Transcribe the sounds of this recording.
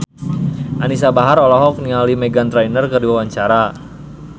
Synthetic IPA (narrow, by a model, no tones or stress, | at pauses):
ʔanisabaɦaɾɔlɔɦɔk̚nialimɛɡant̪ɾainərkərdiwawaɲt͡ʃaɾa